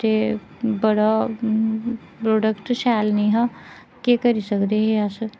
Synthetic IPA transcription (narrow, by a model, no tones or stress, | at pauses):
t̪eː | bəɽa | pɾoːɖəkʈʃɛːlniːɦã | keːkəɾisəkd̪eɦeəs